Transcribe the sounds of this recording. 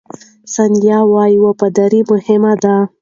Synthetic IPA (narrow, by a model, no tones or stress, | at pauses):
sanjɑwɑjiwopad̪aɾimʊhɪmad̪a